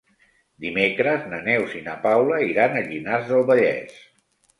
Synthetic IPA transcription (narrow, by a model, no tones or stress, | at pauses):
d̪imekɾəznənɛwzinəpawləiɾanəʎinazðəlˠβəʎɛ̰s